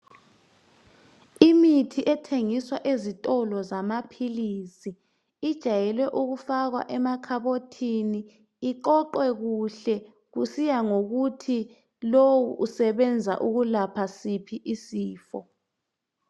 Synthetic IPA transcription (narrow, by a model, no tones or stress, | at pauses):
imitʰiʔɛtʰeŋiswaʔezitʼɔlɔzamapʰilisi | id̥ʒ̥ʱajɛlwɛʔuɣufaɣwa̰ʔɛmakʰaβotʰiniː | ǃɔǃwɛɣuɬɛ | ɣusijaŋoɣutʰi | lowṵʔusɛβɛnd͡zʱa̰ʔuɣulapʰasipʰiʔisiːfɔ̰